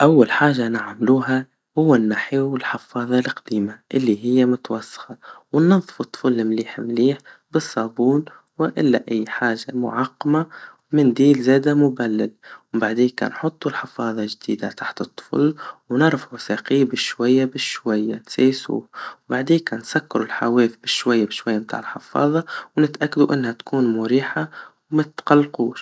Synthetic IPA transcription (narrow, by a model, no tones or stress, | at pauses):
ʔawːalħaːʒːanɪʕmluːɦa | hʊwːanːaħiwɪlħɪfɑːðˤɑlqd̪̥iːmaʔɪlːiɦɪjːamʊt̪wɑsːɑ̥xɑwɪnːɑðˤfut̪ˤːʊ̥flːɪmliːħmliːħbɨsˤːɑːbuːn | wɪʔɪlːa̰ʔajːħaːʒamʊ̰ʕɑqːɑmawmɪnd̪iːlzeːd̪amʊbalːalbaʕd̪eːka̰ːnħʊt̪ˤːulħɪfɑːðˤɑʒd̪iːd̪at̪ʰaħt̪ɨt̪ˤːʊ̥flwnɑɾˤfʕʊsaːqiːbɪʃwajːabɪʃwajːanseːsṵːbaʕd̪eːkansakːɪɾʊlħaweːfbɪʃwajːabɪʃwajːabt̪a̰ːʕɪlħɪfɑ̰ːðˤɑwnɪt̪ʔakːad̪uʔɪnːhat̪ḁkuːnmʊɾiːħawmat̪qɑlːquːʃ